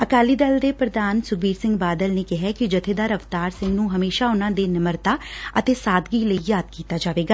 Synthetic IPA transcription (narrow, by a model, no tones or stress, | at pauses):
əkaːliːd̪əld̪eːpɾəd̪aːnsʊɡiːɾsɪ̃ŋɡbaːd̪əlneːkɪɦɛːkɪd͡ʒət̪ʰeːd̪aːɾəʋt̪aːɾsɪ̃ŋɡnũːɦəmeːʃaːʊnãːd̪eːnəməɾt̪aːət̪eːsaːd̪ɡiːləiːjaːd̪̚kiːt̪aːd͡ʒaːʋeːɡaː